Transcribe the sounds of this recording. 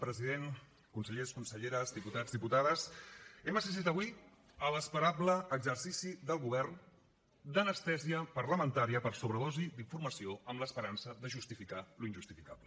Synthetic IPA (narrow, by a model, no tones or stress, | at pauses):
pɾəziðen | kunsəʎeskunsəʎeɾəzd̪iput̪azðiput̪aðəsɛməs̬ist̪it̪əβwi | ələspəɾabləːɡzərsisiðəlˠɣuβɛrn | d̪ənəst̪ɛziəpərləmənt̪aɾiəpəɾsoβɾəðɔzid̪iɱfuɾməsioəmləspəɾansəðəʒust̪ifikaluinʒust̪ifikablə